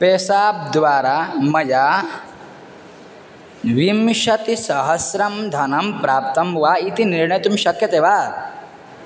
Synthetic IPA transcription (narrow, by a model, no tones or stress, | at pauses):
peːsaːp̚d̪ʋaːɾaːmɐjaː | ʋimʃɐt̪isɐɦɐsɾɐmd̪ʱɐnɐmpɾaːp̚t̪ɐmʋaːit̪iniɾɳɐjɐt̪umʃɐkjɐt̪eːʋaː